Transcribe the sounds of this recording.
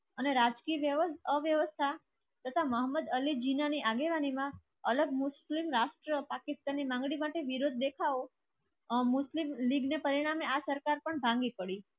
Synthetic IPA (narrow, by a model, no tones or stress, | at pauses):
əneɾad͡ʒkiʋjəʋəəʋjəʋəst̪ʰa | t̪ət̪ʰaməɦəmːəd̪əlid͡ʒinaniʔaɡeʋanimã | ələɡmʊslimɾaʃʈɾəpakɪst̪anːimãŋɡɽimaʈeʋiɾod̪̚ʱːekʰao | mʊslimliɡnepəɾiɽ̃ameasəɾkaɾpəɳbʱãŋɡipəɽi